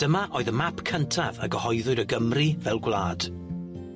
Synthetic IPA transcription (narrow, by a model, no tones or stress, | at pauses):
d̥əmaʔoːɨðəmapʰkʰəntʰavəɡəhɔjðʊɨɾəɡəmrivɛlˠɡwlˠaːd̥